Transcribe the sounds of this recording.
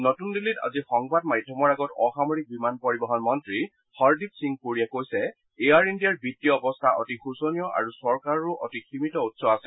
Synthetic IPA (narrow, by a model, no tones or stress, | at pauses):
nɔtundilita̰zixɔŋbadmajdʱjɔmɔɹaɡɔtɔxamoɹik̚bimanpɔɹibɔɦɔnmɔntɹi | hɔɹdip̚siŋɡpuɹijakojsɛ | eaɹindijaɹbitːijɔːbɔstʰaʔɔ̰tixusonijɔʔa̰ɹusɔɹkaɹɹuʔɔ̰tikimitɔutsɔasɛ̥